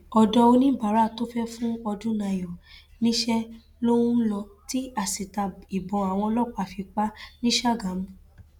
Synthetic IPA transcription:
ɔ˧dɔ˧o˧nĩ˦ba˨ɾa˦˨to˦fɛ˦fũ˦ɔ˧dũ˦na˧jɔ˨nĩ˦ʃɛ˦ | lo˦w̃ũ˦lɔ˧ti˦a˦˨si˨ta˧i˨bɔ̃˨a˨w̃ɔ̃˧lɔ˦˨k͡pa˨fi˧k͡pa˦nĩ˦ʃa˦˨ɡã˨˦m

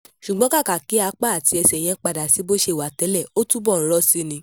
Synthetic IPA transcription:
ʃu˨ɡ͡bɔ̃˦ka˦˨ka˨ki˨˦a˧k͡pa˦˨a˨ti˨˧˦ɛ˧sɛ˨j̃ɛ̃˧k͡pa˧da˨si˨˦bo˦ʃe˦˨wa˨˦tɛ˨˦lɛ˦˨o˦tu˦bɔ˦˨n̩˦ɾɔ˦si˧nĩ˧

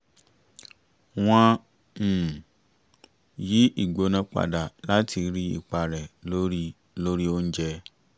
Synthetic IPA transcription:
w̃ɔ̃˧˨ | ji˨˦ʔi˨ɡ͡bo˨˦nã˧k͡pa̰˨da˨la˦ti˧ɾi˦ḭ˨k͡pa˨ɾɛ˨lo˦ɾ | lo˦ɾi˦o˦n̩˦d͡ʒɛ˧

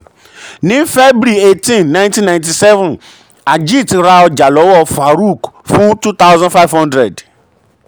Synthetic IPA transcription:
nĩ˨˦fe˦bɾi˨e˨tĩ˦˨nnã˦ntĩ˦nã˨j̃nt̬i˨sɛ˦vũ˨n | a˨d͡ʒi˦˨tɾa˧ɔ˧d͡ʒa˨lɔ˨˦wɔ˦˨fa˨ɾu˦˨kfũ˦tu˦t̪a˦wzɔ̃˦nfa˦jvhɔ̃˦ndɾɛ˨d

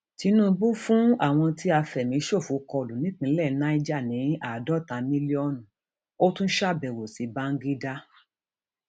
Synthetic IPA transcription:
ti˨˧˦nũ˦bu˦fũ˦a˦˨w̃ɔ̃˧ti˦a˧fɛ˨mĩ˨˧˦ʃo˦˨fu˨˦kɔ˧lu˨nĩ˦k͡pĩ˧˦lɛ˦˨˦na˦i˦d͡ʒa˦˨nĩ˨˦a˨dɔ˦tã˨˧mĩ˦li˦ɔ˦nũ˨ | o˦tũ˦n̩˦ʃa˦˨bɛ˨wo˨si˨˦ba˦ŋ̩˦ɡi˦da˦

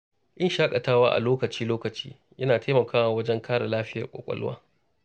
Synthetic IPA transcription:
ʔɪ˦nʃaː˦kʼɐ˨taː˦waː˦ʔa̰˨loː˦kɐ˨t͡ʃiː˦loː˦kɐ˨t͡ʃiː˦ | jɐ˦naː˨tʰeː˦mɐ˨kʰaː˦waː˨wɐ˦d͡ʒɛ˦ŋkʰaː˦ɽa˨laː˦ɸɪ˦jɐ˨kʷʼo̰˨kʷʼɐ̰˦lʊ̰˦wa̰ː˦

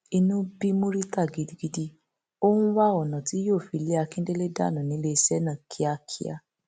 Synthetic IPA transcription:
i˧nũ˦bi˦mũ˦ɾi˦ta˦˨ɡi˧di˧ɡi˧di˧ | o˦hũ˦wa˦ɔ˨nã˨ti˨˦joː˦˨fi˧le˦a˧kĩ˦n̩˦de˦le˦da̰˦˨nã˨nĩ˨˦le˧i˧sɛ˦nã˦˨kʰi˨˦a˧kʰḭ˦a̰˧

